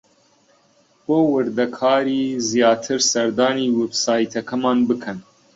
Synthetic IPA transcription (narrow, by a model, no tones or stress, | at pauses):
wowɨɾd̪ɐkʰɑːɾiːzijɑːt̪ʰɨɾsɐɾd̪ɑːniːwebsaːjt̪ʰɐkʰɐmɑːnbɨkʰɐn